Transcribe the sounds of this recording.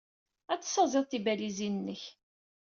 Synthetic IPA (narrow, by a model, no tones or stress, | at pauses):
æt͡sːsːɑzˤeðˤθibælizinənːəç